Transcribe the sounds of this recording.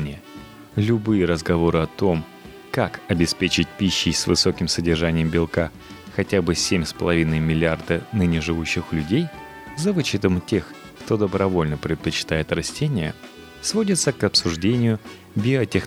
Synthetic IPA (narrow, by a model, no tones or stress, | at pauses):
nʲɪ | lʲʊbɨjəɾəzɡɐvo̞ɾɨɐt̪o̞m | kakɐbʲɪspʲet͡ɕɪt̚ʲpʲiɕːɪjsvɨ̰so̞kʲɪmsədʲɪrʐanʲɪjəmbʲɪlˠka | xɐtʲabɨsʲemʲspəlˠɐvʲinəjmʲɪlʲɪard̪ənɨnʲɪʐɨvuɕːɪxlʲʉdʲej | zɐvɨt͡ɕɪt̪əmtʲe̞x | kt̪o̞d̪əbɾɐvo̞lʲnəpɾʲɪt̪̚pət͡ɕɪ̥t̪ajɪt̪rɐsʲtʲenʲɪjə | svo̞dʲɪt̪səkɐpsʊʐdʲenʲɪjʊ | bʲɪətʲex